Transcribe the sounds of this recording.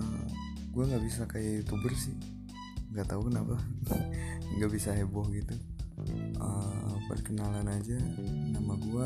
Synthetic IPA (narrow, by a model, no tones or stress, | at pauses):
ə | ɡuaŋɡaʔbisakait̪ubərsɪ | ŋɡaʔt̪auknaba | ŋɡabisaɦɛbɔhɡit̪u | ə̰pə̰rkənalanad͡ʒanamaɡua